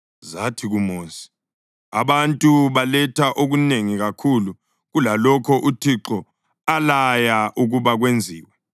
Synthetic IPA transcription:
zatʰiɣumoːsi̥ | a̰βantʼuβalɛtʰaʔoɣuneŋiɣakʰulu | ɣulalɔkʰɔʔutʰiǁɔ | alajaʔuɣuβaɣwend͡zʱiːwɛ

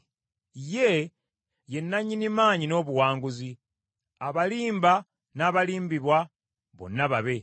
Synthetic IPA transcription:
je̞ | je̞nːaɲːinimaːɲino̞ːβuwaːŋɡuzi | aβaliːmba | naːβaliːmbiβwa | βo̞̰nːaβaβe̞

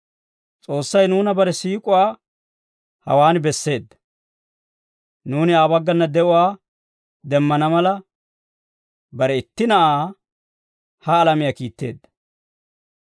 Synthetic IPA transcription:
t͡sʼo̞ːsːɐjnuːnɐbɐɾɛsiːkʼʊwaː | hɐ̰waːnbɛsːe̞ːd̪ːɐ̥ | nuːnɪaːbɐɡːɐnːɐd̪ɛʔʊwaː | d̪ɛmːɐnɐmɐlɐ | bɐɾɛɪt̪ːɪnɐʔaː | hɐːlɐmɪjɐkiːt̪ːe̞̰ːd̪ːɐ̥

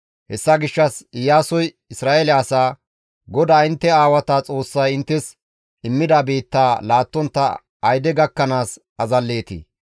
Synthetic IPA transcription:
hɛsːɐɡɪʃːɐsɪjaːsɔj | ɪsɾaːelɛɐsaː | ɡɔd̪aːɪnt̪ːɛaːwɐt̪at͡sʼo̞ːsːɐjɪnt̪ːɛs | ɪmːɪd̪abeːt̪ːaːlaːt̪ːɔnt̪ːɐ | ɐjd̪ɛɡɐkːɐnaːs | ɐzɐlːe̞ːt̪ḭː

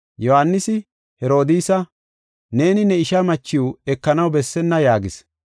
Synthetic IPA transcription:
jɔhanːɪsɪ | hɛɾo̞ːd̪iːsɐ | ne̞ːnɪnɛɪʃɐmɐt͡ʃːɪwɛkːɐnɐwbɛsːɛnːɐjaːɡɪs

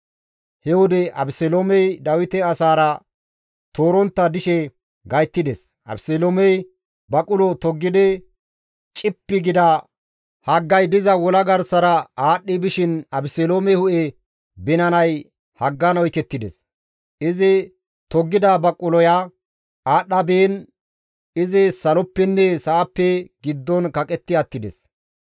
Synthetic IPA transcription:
hɛwʊd̪ɛʔɐbɪsɛloːmɛjd̪ɐwɪt̪ɛɐsaːɾɐ | t̪oːɾɔnt̪ːɐd̪ɪʃɛ | ɡɐjt̪ːɪd̪ɛs | ʔɐ̰bseloːmɛj | bɐkʼʊlɔt̪ɔɡːɪd̪ɛ | t͡ʃʼɪpːɪɡɪd̪ɐ | hɐɡːɐjd̪ɪzɐwɔlɐɡɐɾsɐɾɐaːɗːɪbɪʃɪnɐbɪseloːmɛhʊʔɛ | bɪnɐnɐj | hɐɡːɐnɔjkɛt̪ːɪd̪ɛ̰s | ʔɪzɪ | t̪ɔɡːɪd̪abɐkʼʊlɔja | aːɗːɐbeːn | ɪzɪsɐlɔpːɛnːɛsɐʔːpːɛɡ̥ɪd̪ːɔnkɐkʼɛt̪ːɪɐt̪ːɪd̪ɛ̰s

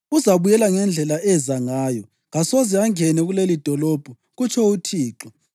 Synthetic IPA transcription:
uzaβujɛlaŋɛnd͡ɮʱɛlaʔɛzaŋaːjɔ | ɣasozɛaŋɛnɛɣulelid̥ʱɔlob̥ʱɔ | ɣut͡ʃʰɔutʰiːǁɔ

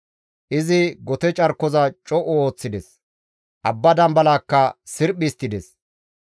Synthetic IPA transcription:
ʔɪzɪɡɔt̪ɛt͡ʃʼɐɾkːɔzɐt͡ʃʼɔʔɔoːt͡sːɪd̪ɛs | ʔɐbːɐd̪ɐmbɐlaːkːɐsɪɾpːɪst̪ːɪd̪ɛs

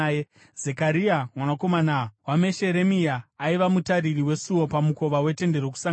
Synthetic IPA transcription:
zekaɾiamwanako̞manawame̞ʃe̞ɾe̞miaːiʋamutaririwe̞suwo̞pamuko̞ʋawe̞te̞nde̞ɾoku̥saŋ

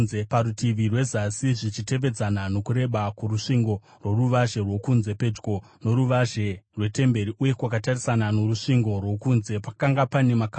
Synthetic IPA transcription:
epaɾutiʋirwe̞zasiʐit͡ʃite̞ʋe̞d͡zanano̞kuɾe̞ɓakuruʂiŋɡo̞ | rwo̞ruʋaʒe̞rwo̞kunze̞pe̞d͡ʒɡo̞ | no̞ɾuʋaʒe̞rwe̞te̞mbe̞ɾiʔuje̞kwakatarisanano̞ruʂiŋɡo̞rwo̞kuːnze̞pakaŋɡapane̞maka

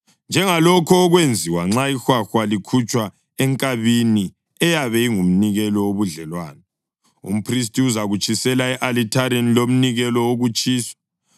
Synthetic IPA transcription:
nd͡ʒʱɛŋalɔkʰɔːɣwend͡zʱiwaŋ͡ǁaixwaxwalikʰut͡ʃʼwa | ɛŋkʼaβini | ɛjaβɛiŋum̩niɣɛlɔoβuɮɛlwaːnɛ | ṵm̩pʰris̬tʼiuzaɣut͡ʃʼisɛlaɛʔalitʰaɾenilom̩niɣɛlɔoɣut͡ʃʼiːswḁ

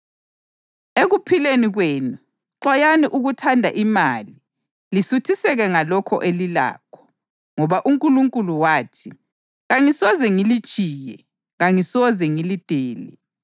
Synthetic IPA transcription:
eɣupʰileniɣweːnu | ǁajaniʔuɣutʰandʱa̰ʔimaːli | lisutʰisɛɣɛŋalɔkʰɔ̰ʔelila̰ːkʰɔ̥ | ŋɔβaʔuŋkʼuluŋkʼuluwaːtʰi | ɣaŋisɔzɛŋili̥t͡ʃʼiːjɛ | ɣaŋisɔzɛŋilid̥ʱɛːlɛ̰

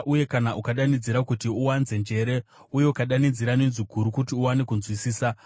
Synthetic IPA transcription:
ʔuje̞kanaʔukaɗanid͡ziɾakutiuwanze̞nd͡ʒe̞ɾe̞ | uje̞ukaɗanid͡ziɾanenziɡʱuɾukutiuwanekunzwisiːsa

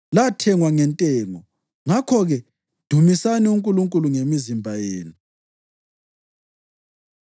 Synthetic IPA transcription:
latʰɛŋwaŋɛntʼɛːŋɔ | ŋakʰɔɣɛ | d̥ʱumisaniuŋkʼuluŋkʼuluŋemizimbʱajeːnu

